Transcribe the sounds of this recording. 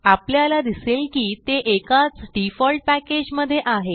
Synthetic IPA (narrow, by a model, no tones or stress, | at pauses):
apljalad̪iselkiːt̪eʔekat͡sɖifɔlʈ̚pæked͡ʑməd̪ʱːjeʔaɦe